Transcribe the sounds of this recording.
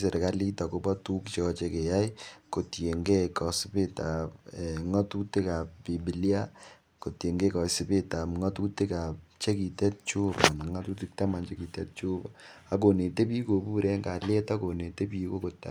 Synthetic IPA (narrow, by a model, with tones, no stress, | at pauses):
se˨ɾe˨ka˦li˦ta˨ko˦bɔ˦tu˦kt͡ʃɔt͡ʃe˦ke˨ja˦i˦ko˨tje˨ŋɡe˦kɔ˨sɪ˦pe˦ta˨pɛ˨ŋɔ˦tu˦te˦ka˨p̚bi˨bi˨lja˦ | ko˨tje˨ŋɡe˦kɔ˨sɪ˦pe˦ta˨pŋɔ˦tu˦ti˦ka˨p̚t͡ʃe˦ki˨tɛ˦t̚t͡ʃu˦ba˨na˨ŋa˦tu˦ti˦k̚ta˦ma˨nt͡ʃe˦ki˨tɛ̰˦t̚t͡ʃu˦ba | a˦k̬o˨ne˨te˦pi˦ko˨buː˦ɾe˦ŋɡa˨le˦ta˦ko˨ne˨te˦p̬i˦ko˦ko˨ta̰˨